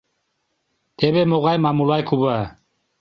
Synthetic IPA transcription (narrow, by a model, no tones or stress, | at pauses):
t̪ʰɛβɛmoɣajmamulajkʰuba